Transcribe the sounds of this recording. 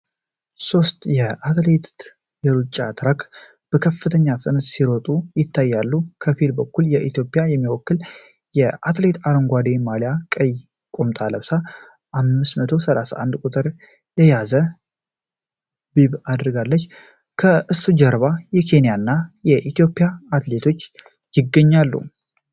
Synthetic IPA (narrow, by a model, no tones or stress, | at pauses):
so̞st̪ʼjɛat̪let̪ | jɛɾut͡ʃʼːa̰t̪ʰɾak | b̥əkʰəfːɨt̪ʰəɲːafɨnɨt̪siɾɔt̪ʼujɪt̪ʰːajːalːukʰəfilbəkːuljɛʔit̪jo̞pʼijajɛmːiwɔkːɨl | jɛʔat̪ʰle̞t̪ʰaɾoŋɡʷad̪e̞malijakʼəj | kʼomt̪ʼaləβsa | ʔamːɨst̪mət̪ʰo̞səlasa̰ʔa̰nd̪kʼut̪ʼɨɾ | jɛjazə | biβad̪ɾɨɡalːət͡ʃː | kʰəʔɨsːud͡ʒɛɾβajɛkʰe̞nijanːajɛʔit̪ijo̞pʼːijaat̪le̞t̪ʰo̞t͡ʃː | jɪɡːəɲːalːṵ